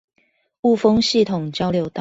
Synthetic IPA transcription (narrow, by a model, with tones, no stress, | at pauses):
u˥˨fɤ˦ŋɕi˥˨t̪ʰʊ˨˩ŋt͡ɕjɑ˥ʊljo˧˦ʊt̪ɑ˥˨